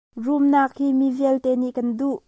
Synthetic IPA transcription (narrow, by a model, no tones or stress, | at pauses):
rumnak̚himiviəlt̪ɛniʔkɐnduʔ